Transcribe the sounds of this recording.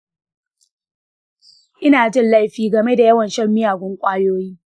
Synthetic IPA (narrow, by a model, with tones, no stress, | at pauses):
ʔɪ˦naː˨d͡ʒɪ˦nla˦jɸiː˦ɡɐ˨me˦da˨jɐ˦wɐ˨nʃɐ˦rmɪ˦jaː˨ɡʷʊ˦ŋkʷʼaː˦joː˦jiː˦